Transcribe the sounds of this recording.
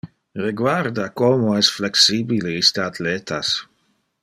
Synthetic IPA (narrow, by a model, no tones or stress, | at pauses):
reɡwaɾd̪akomoɛsflɛksiːbileist̪əat̪leːt̪as